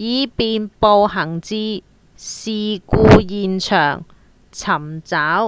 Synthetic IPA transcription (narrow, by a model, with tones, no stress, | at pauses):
jiː˨˧piː˧npo˧wɦɐ˨˩ŋt͡siː˧ | siː˧kuː˧jiː˨nt͡ʃʰœː˨˩ŋ | t͡sʰɐ˨˩mt͡saː˨˥w